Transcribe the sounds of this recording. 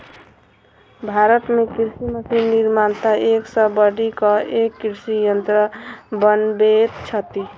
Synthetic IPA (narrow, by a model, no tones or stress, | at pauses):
bʱaɾət̪mekiɾsimət̪ʰiniɾmant̪aeksəbəɽikʌekːiɾsijənt̪ɾəbənbet̪t͡ʃʰʌt̪i